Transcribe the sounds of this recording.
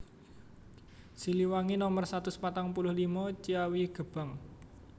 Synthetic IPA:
siliwaŋinɔmərsat̪usə̥pat̪aŋpulʊhlimɔt͡ʃiawiɡ̥ə̤b̥ə̤ŋ

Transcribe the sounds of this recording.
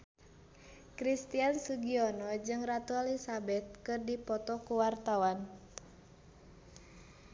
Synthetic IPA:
kɾist̪iansuɡiɔnɔd͡ʒɨŋrat̪uɛlisabɛt̪̚kɨrdipɔt̪ɔkuwart̪awan

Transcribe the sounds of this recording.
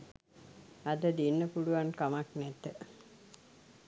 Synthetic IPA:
ad̪əd̪inːəpuluʋankamaknæt̪ːə

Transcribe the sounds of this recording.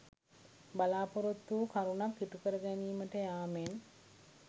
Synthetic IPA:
balaːpoɾot̪ːukʰaɾunakːiʈukəɾəɡɛniːməʈəjaːmen

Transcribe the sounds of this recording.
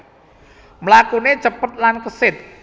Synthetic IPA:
mlaːkuːnit͡ɕapːət̪̚lankaseːt̪̚

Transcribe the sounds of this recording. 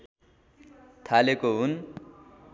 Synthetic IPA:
t̪ʰalekoɦun

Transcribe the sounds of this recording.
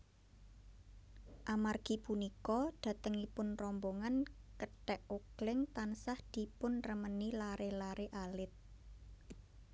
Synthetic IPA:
ʔamarɡ̥i̤punikɔd̪̥a̤t̪əŋipʊnrɔmboŋankəʈɛʔoɡ̥lɪŋt̪ansahd̪̥i̤pʊnrəmənilaɾelaɾeʔalɪt̪̚

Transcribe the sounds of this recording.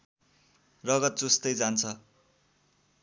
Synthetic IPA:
rʌɡʌt̪̚d͡zust̪ʌjd͡zant͡sʰʌ

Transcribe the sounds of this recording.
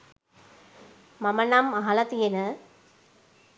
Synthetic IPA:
mɐmɐnɐmɐɦɐlɐt̪ijenɐ

